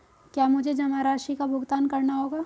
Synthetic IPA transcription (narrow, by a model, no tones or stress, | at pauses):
kjaːmʊd͡ʒʱed͡ʒɐmaɾaːʃikabʱʊɡt̪aːnkɐɾnaɦoːɡaː